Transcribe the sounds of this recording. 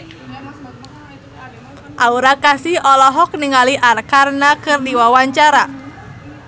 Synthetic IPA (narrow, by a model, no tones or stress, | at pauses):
ʔauɾakasihɔlɔɦɔk̚niŋaliʔarkarnakɨrdiwawaɲt͡ʃaɾa